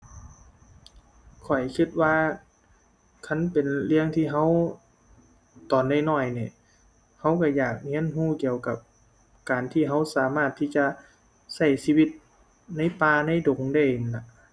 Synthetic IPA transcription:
kʰɔ˨˩jkʰɯ˧˩t̪̚waː˧˨ | kʰa˧˥˨npe˨nlɯ˧˥˧əŋt̪ʰiː˧˩ɦa˧˥˨w | t̪ɔː˨˩nda˧˩jnɔː˧˩jniː˧˩˨ | ha˧˥wka˧˩jaː˨˩k̚hi˧˥ə˨nɦuː˧˥˨ki˧əwka˧˩p̚ | kaː˨nt̪ʰiː˧˩ɦa˧˥˩wsaː˨˦maː˧˩t̪ʰːiː˧˩t͡ɕa˧ | sa˧˩jsiː˧wi˧˩t̪̚ | na˧˥˨jpaː˧na˧˥˨jdo˨˦ŋda˧˩jla˧˩ʔ

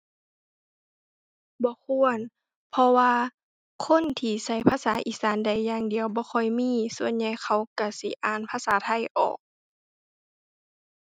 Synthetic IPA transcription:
bɔː˧˦kʰu˧˥ən | pʰɔ˧waː˧ | kʰo˧˥˨nt̪ʰiː˧˩sa˧˩˨jpʰaː˧˥˨saː˨˦ʔiː˧˨˩saː˨˦nda˨˩jːaː˧˨ŋdi˨əwbɔː˧˦xʰɔ˧˩jmiː˧˥˨su˧ənɲa˧˩jxʰa˧˩wka˧˩si˧˦ʔaː˧˩npʰaː˧˥˨saː˨˦t̪ʰa˧˩jʔɔ̰ː˨˩k̚

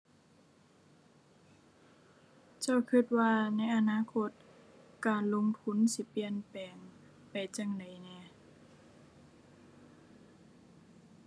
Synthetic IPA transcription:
t͡ɕa˧˥˩wkʰɯ˧˥˩t̪̚waː˧˩na˧˥˩jʔa˧naː˧˥˨kʰo˧˩t̪̚kaː˨˩nlo˧˨ŋt̪ʰu˧˥˨nsi˧˦pi˧˩ənpɛː˨˩ŋ | pa˨˩jt͡ɕa˧˩ŋda˨˩jnɛː˧˩˨

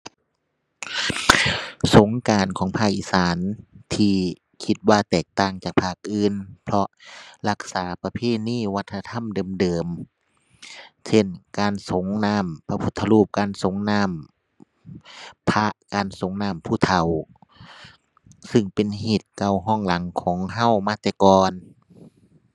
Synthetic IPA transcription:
so˨˦ŋkaː˨nkʰɔː˨˦ŋpʰaː˧˩k̚ʔiː˧˩saː˨˦nt̪ʰiː˧ | kʰi˧˥t̪̚waː˧t̪ɛː˨˩k̚t̪aː˧˩ŋt͡ɕaː˨˩k̚pʰaː˧˩k̚ʔɯː˧˥npʰlɔ˧la˧k̚saː˨˩˦pa˧pʰeː˧˩niː˧˥˩wa˧˥t̪ʰːt̪ʰa˧˥˨mdɤː˨mdɤː˨m | sʰe˧˥˩nkaː˨˧nso˨˦ŋnaː˧˥˩mpʰa˧pʰu˧˦t̪ʰːa˧luː˧˩p̚kaː˧˨nso˨˦ŋnaː˧˥˩m | pʰa˧ʔkaː˨nso˨˦ŋnaː˧˩˨mpʰuː˧˩t̪ʰa˨˧˩w | sɯ˧˩ŋpe˨nɦeː˨˩t̪̚ka˧˩wɦɔː˧˥˨ŋla˨˦ŋkʰɔː˨˦ŋɦa˧˥˩wmaː˧˥˩t̪ɛː˧˩kɔː˧n

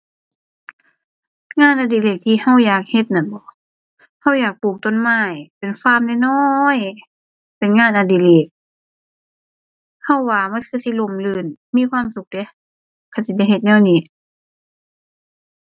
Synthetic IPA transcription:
ŋaː˧˥˨nʔaː˧diː˧˩leː˧˨˩k̚t̪ʰiː˧ha˧˥˨wjaː˨˩k̚he˧˦t̪̚na˧˩nbɔː˧˦ | ha˧˩˨wjaː˨˩k̚puː˨˩k̚t̪o˧˨nmaː˧˥˩jpe˨nfaː˧˥˨mda˧˨nɔ˧j | pe˨nŋaː˧˨nʔaː˧˩diː˧˨leː˨˩k̚ | ha˧˩˨wːaː˧˩ma˧˥˨nkʰɯ˧˨si˧˦˨lo˧˩˨mlɯː˧˩nmiː˧˥˨kʰwaː˧˥˨msu˧k̚de˧˦ | kʰa˧˩si˧˦dɛ˧˩jhe˧t̪̚nɛː˧˩˨wniː˧˩

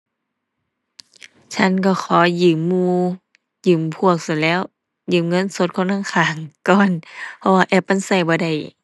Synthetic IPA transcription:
t͡ɕʰa˧˥˨nkɔ˧˩xʰɔː˨˩˦jɯː˧˩mːuː˧˨ | jɯː˨˩mpʰu˧˩ək̚sa˧˩lɛː˧˥˨w | jɯː˨˩˨mŋɤ˧˥˨nso˧˦t̪̚kʰo˧˨nʰa˧˥˨ŋkʰaː˨˩ŋkɔː˧˨npʰɔ˧waː˧ʔɛː˧˩p̚ʔa˧˥˨nsa˧˩jbɔː˧˦da˧˩j

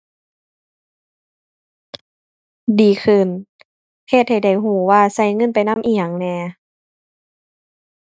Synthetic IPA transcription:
diː˨˦kʰɯ˧˩˨n | pʰe˧˩t̪̚ha˧˩jda˧˩jɦuː˧˩˦waː˧sa˧˩jŋɤ˧˥˨npa˨jna˧˥˨mʔiː˧ɲa˨˩˨ŋnɛː˧˩

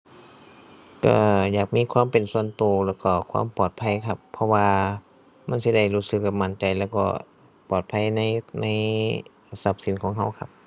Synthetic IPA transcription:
ka̰˧˩jaː˨˩k̚miː˧˥˨kʰwaː˧˥˨mpe˨˩nsu˧ənt̪uː˨˩lɛː˧˩wkɔː˧˩kʰwa̰ː˧˥˨mpɔː˨˩t̪̚pʰa˧˥˨jkʰa˧pʰːɔ˧waː˧ | ma˧˥˨nsi˧˩da˧˩jluː˧˩sɯ˧˦k̚ːa˧˩ma˧˩nt͡ɕa˨jlɛː˧˩wkɔ̰ː˧˩ | pɔː˨˩t̪̚pʰa˧˥˨jna˧˥˨jna˧˥˨j | sa˧˦p̚si˨˧˦nkʰɔː˧˦ŋɦa˧˩wkʰa˧p̚

